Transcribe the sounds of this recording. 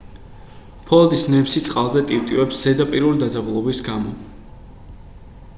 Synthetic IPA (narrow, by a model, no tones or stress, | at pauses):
pʰɔld̪isnɛpsit̪sʼqʼalˠzɛt̪ʼiwt̪ʼivɛpsz̥ɛd̪apʼiɾulid̪ad̪zabulˠɔbisɡamɔ̰